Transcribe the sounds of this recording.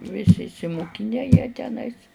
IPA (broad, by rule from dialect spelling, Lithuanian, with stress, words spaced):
ˈʋʲɪsʲɪ ɪʃʲsʲɪmʊˈkʲɪnʲɛ jiɛ tʲɛˈnɐɪs